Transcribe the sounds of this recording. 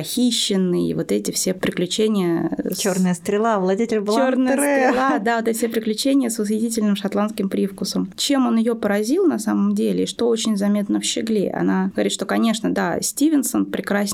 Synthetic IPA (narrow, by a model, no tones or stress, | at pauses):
pɐxʲiɕːɪnːɨḭvo̞t̪ɛtʲɪfsʲepɾʲɪklʲʉt͡ɕenʲɪjəornɨjəst̪ɾʲɪlˠavlˠɐdʲetʲɪlʲbɨlˠornɨjəsɾʲɪlˠad̪avot̪ɛtɪsʲepɾʲɪklʲʉt͡ɕenʲɪjəsʊsvʲɪtʲitʲɪlʲnɨmʂɐt̪lˠanskʲɪmpɾʲifkʊsəmt͡ɕe̞mo̞njɪjopəɾɐzʲilˠnɐsaməmdʲelʲɪɪʂt̪o̞o̞t͡ɕɪnʲzɐmʲe̞t̪̚nəfɕɪɡlʲḛʔɐ̰naɡəvɐɾʲit̪ʂt̪o̞kɐnʲe̞ʂnəd̪asʲtʲivʲɪnsənpɾʲɪkɾasʲ